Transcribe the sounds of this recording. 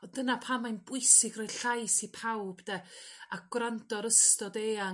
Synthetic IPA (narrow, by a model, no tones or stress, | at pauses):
ɔdənapʰamːajnbʊjsɪɡrɔjɬajsipʰawbdaaɡ̥wrandɔɾəstɔdeːa